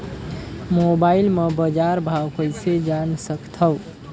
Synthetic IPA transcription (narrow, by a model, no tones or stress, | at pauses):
mobaɪlmebəd͡ʒaɾbʱawkəɪsed͡ʒansəkt̪ʰəw